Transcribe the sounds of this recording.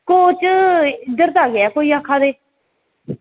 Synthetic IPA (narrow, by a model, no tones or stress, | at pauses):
koːt͡ʃəɪd̪əɾt̪aːɡɪɛːkoːiːãːkʰaːd̪eː